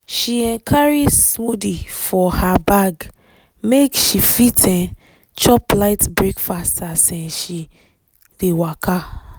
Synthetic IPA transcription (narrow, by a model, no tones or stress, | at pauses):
ʃiɛ̃nkʰaɹid͡ʒsmudifɔhabaɡ | mekʃifitʰɛ̃n | t͡ʃɔplaɪtbɹekfastʰasɛ̃nʃi | dewakʰa